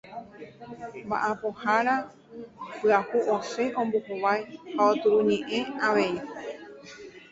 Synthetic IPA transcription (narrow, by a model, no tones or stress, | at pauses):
mba̰ʔapohaɾa | pɨahuʔose̞ʔõ̞mbohoʋajhaot̪uɾuɲẽʔẽaʋe̞i